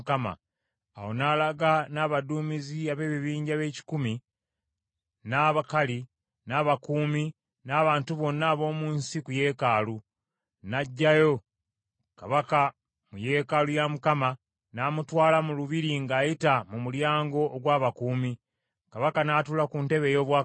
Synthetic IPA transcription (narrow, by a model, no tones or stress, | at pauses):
kama̰ː | wo̞naːlaɡanaːβaduːmiziaβe̞ːβiβiːɲɟaβe̞ːci̥kumi | naːβakali | naːβakuːmi | naːβaːntuβo̞nːaːβo̞ːmuːnsikuje̞ːkaːlu | naɟːajo̞ | kaβaka | muje̞ːkalujamukama | naːmutwaːlamuluβiɾiŋɡaːjitamumuljaːŋɡo̞ːɡwaːβakuːmi | kaβakanaːtulakunte̞βe̞ːjo̞ːβwa